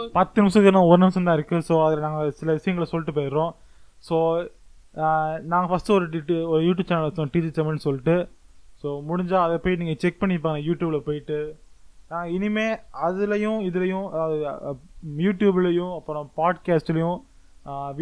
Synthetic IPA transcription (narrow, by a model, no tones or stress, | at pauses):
pɐt̪ːɯnɪmsɐkɪɾnãːɔɾɯnɐmsɐ̃nd̪ãːɪɾɯkːɯsoːɐðɪlnaːŋɡɐsɪlɐʋɪʂɐjɐŋɡɐɭɐsɔlːɪʈ̬ːɯpeːɾɾõː | soː | naːŋɡɐfɐsʈɯɔɾɯʈiʈːɔɾɯjuːʈ̬jubt͡ʃaːnɐsõʈiːd͡ʒit͡ʃɐmɛnːsɔlːɪʈːɯsoːmʊɽɪɲd͡ʒaːɐðɐpoːjniːŋɡɐt͡ʃɛk̚pɐɳːɪp̬ːaːɐnãːɐjuːʈjuːbɪlɐpoːjɪʈːɯnaːŋɡɐɪnɪmeːɐðɯlɐjʊ̃ɪðɯlɐjʊ̃ðɯ | juːʈjuːbɪlɐjʊ̃ɐpːɐɽõpaːɖkaːsʈɪlɐjʊ̃